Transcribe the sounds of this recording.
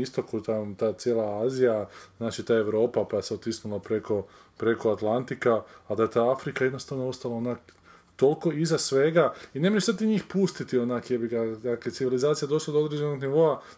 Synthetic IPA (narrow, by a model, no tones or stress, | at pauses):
ist̪o̞kut̪at̪aːt̪sjeːlˠaaːzijaznaːt͡ʃit̪aːe̞ʋɾo̞ːpapaase̞ot̪isnulˠapɾe̞ko̞ | pɾe̞ko̞at̪lˠant̪ikaːd̪aet̪aafɾikaje̞d̪no̞st̪aʋnoo̞st̪alaonak | t̪o̞lˠko̞izasʋe̞ɡaine̞moesat̪iɲiːxpust̪it̪io̞nakjebiɡad̪akleesiʋilizaːt̪sijad̪o̞ʃlˠad̪oo̞d̪ɾed͡ʒenoɡniʋo̞a